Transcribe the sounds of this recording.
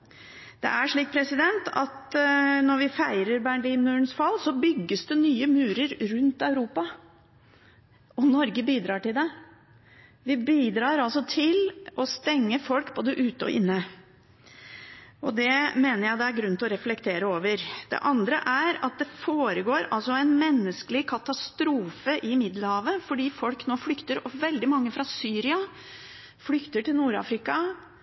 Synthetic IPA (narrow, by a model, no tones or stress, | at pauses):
d̪̥ɛ̰ʔæʂɭiːk̚pʰɾɛsɪd̪ɛnt̪ɑt̪nɔɾʋɪfæɪɾəɾbæɳliːnnʉːɳsfɑlːsɔbʏɡːəsd̪ɛnyːəmʉːɾəɾɾʉnt̪ɑʉɾuːpɑ | ɔnɔɾɡəbiːd̪ɾɑːʈɪld̪ɛ | ʋɪbiːd̪ɾɑːɾɑlsɔt̪ʰɪlɔst̪ɛŋːəfɔlkb̥oːd̪əʔʉːt̪əɔ̰ʔɪnːə | ɔd̪ɛmeːnəɾjæɪd̪ɛæɾɡɾʉnt̪ɔɾɛflɛkt̪ʰeːɾəoːʋəɾd̪̥ɛ̰ʔɑnd̪ɾə̰ʔæɾɑt̪̚d̪ɛfoːɾəɡoːɾɑ̰lsɔɛɪnmɛnːəskəlɪkʰɑt̪ɑst̪ɾuːfəʔɪmɪd̪ləɾhɑːʋəfɔɖiːfɔlknoːflʏkt̪əɾɔʋɛld̪ɪmɑŋːəfɾɑsyːɾɪɑ | flʏkt̪əʈɪlnuːɾɑ̰ːfɾɪkɑ